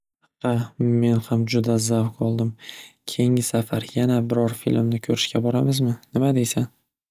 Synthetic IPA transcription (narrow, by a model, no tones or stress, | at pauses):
hɑqːɑme̞nhamd͡ʒʊd̪azawkɒlˠd̪ɪmkʲʰejɪŋʲɪsafaɾjanabɪɾɒɾfḭlmnɪkʲʰɵɾɪʃkʲabɒɾamɪzmɪnɪmad̪e̞jsan